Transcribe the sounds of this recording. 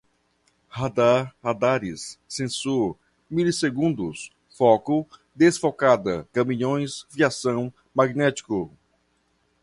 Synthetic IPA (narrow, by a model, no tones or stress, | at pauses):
had̪aɾhad̪aɾisːẽsuɾ | miliseɡũnd̪ʊs | fɔkʊ | d̪esfokad̪ɐkɐmĩɲõj̃sviasɐ̃w̃ | maɡnɛt͡ʃi̥kʊ